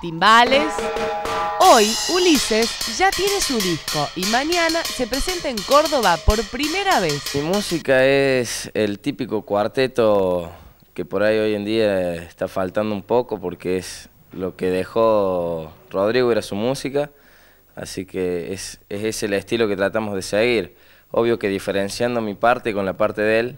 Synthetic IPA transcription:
t̪imbales | ojulisesʒat̪je̞ne̞suðisko̞ʔimaɲanase̞pɾese̞nt̪aeŋko̞ɾðo̞βapo̞ɾpɾime̞ɾaβ̞esimusikaeselt̪ipiko̞kwaɾt̪e̞t̪o̞ | kepoɾajo̞je̞nd̪iaest̪afalt̪and̪oumpo̞ko̞po̞ɾkees | lo̞keðexo̞ | ro̞ð̞ɾiɣweɾasumusika | a̰sikʰeeseseselest̪ilo̞ket̪ɾat̪amozðeseɣiɾ | o̞̰βjo̞ke̞ðife̞ɾensjand̪omipaɾt̪eko̞nlapaɾt̪eðe̞l

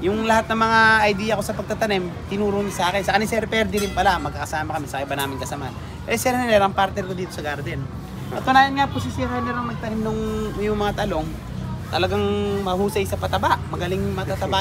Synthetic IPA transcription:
jʊŋlɐhat̪̚nɐŋmɐŋaɐjd̪iːjɐko̞sɐpɐɡ̚t̪ɐt̪ɐnɪmt̪ɪnuːɾʊɲasaːkɪnsɐkɐnisɛɾpɛɾd̪ɪɾɪnpɐlamɐɡkːɐkɐsaːmɐkɐmɛsɐʔɪbanaːmɪnkɐsɐman | ɛsɛɾɐnɐnɛɾɐŋpaɾt̪nɛɾkod̪iːt̪o̞sɐɡaɾd̪ɛn | ɐt̪onaːjɐnŋapos̬isiɾɐjnɛɾɐŋmɐɡ̚t̪ɐnɪmnʊŋjʊŋmɐŋat̪ɐlo̞ŋ | t̪ɐlɐɡaŋmɐhuːsɐjsɐpɐt̪ɐbaʔmɐɡɐlɪŋmɐt̪at̪ɐba

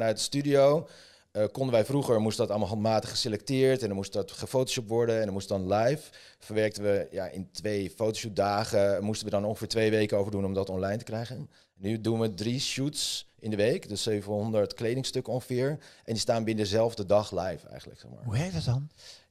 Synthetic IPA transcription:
nœɥt̚dəstydiow | əkɔndənʋɛjfruχəɹmustəndɑtɑlˠmalˠɦɑntmaːtəχːə̥selɛk̚tɪːɹtɛndɑmustɑtχəfowtoʃɔp̚ʋɔɹdənɛndəɹmustədɑnlɛjf | fəɹʋɛɹk̚təʋəja̰ʔɪ̰ntʋejfowtoʃup̚daːχəmustənʋədɑnɔ̃ŋχəfɪːɹtʋejʋejkəowvəɹdunɔmdɑtɔnlɑjntə̥krɛjχən | nydunʋədriʃutsɪndəʋejkdøsøɥvənɦɔndəɹtklejdɪŋstɵkəɔnχəfɪːɹʔɛndistaːnbɪnədəzɛlˠvdədɑχlɛjfɛ̰jχən̩lə̰ksɛ̰χma̰ːɹɦuɦɛdɔtdɑn

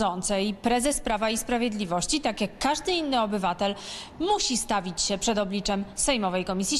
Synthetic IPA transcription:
ɔnt̪sɛjpɾɛzɛspɾavaispɾavʲjed̪lʲivɔɕt͡ɕit̪akʲjakːaʐd̪ɘinːɘɔbɘvat̪ɛl | muɕist̪avʲit͡ɕɕɛpʂɛd̪ɔblʲit͡ʂɛmsɛjmɔvɛjkɔmʲisʲji

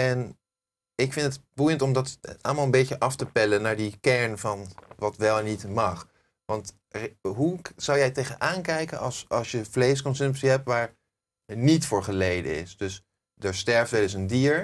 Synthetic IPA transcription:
ɛn | ɪkfɪntədbujəntɔmdɑtɑ̰lˠəmalˠəmbejtəʔɑftəpɛlənaːɹdikɛɹnvɑnʋɑtʋɛlˠnitmɑχ | ʋɑnt | ɦuz̥ɑwjɛjtejənʔaːnkɛjkənɑ̰lˠsɑlˠsjəvlejskɔnsɵmpsiɦɛp̚tʋaːɹ | nitfʊːɹχəlejdə̰ɪ̰sdɵs | dəɹstɛɹftʋɛləsəndiːɹ

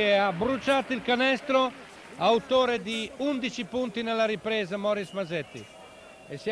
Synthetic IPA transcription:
ɛabɾut͡ʃat̪ilkanɛst̪ɾo | awt̪oːɾed̪iund̪it͡ʃipunt̪inɛlːaɾipɾɛːzamɔɾismazɛt̪ːḭ | ɛs

